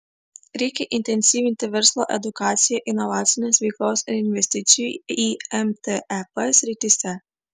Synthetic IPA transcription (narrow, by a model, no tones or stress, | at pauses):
ɾʲɛɪkʲɛʔɪnʲt̪ʲɛnʲsʲiːʋʲɪnʲt̪ʲɪʋʲɛɾslˠoːʔɛ̰d̪ʊkɑːt̪sʲɪjɛʔɪnɔʋɑːt̪sʲɪnʲesʋʲɛɪklˠoːsɪɾɪnʲʋʲɛsʲt̪ʲɪt̪sʲɪjuiɛmt̪eɛpɛsʲɾʲɪt̪ʲɪsʲɛ